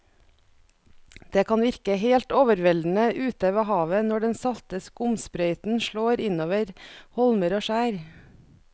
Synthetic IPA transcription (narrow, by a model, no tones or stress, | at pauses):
d̪̥eːkʰɑnʋɪɾkəheːlt̪oːʋəɾʋɛld̪n̩əʔʉːt̪əʋəhɑːʋənɔɖɛnsɑlt̪əskʊmspɾœʏt̪n̩ʃɭoːɾɪnoːʋəɾhɔlməɾoːʃæːɾ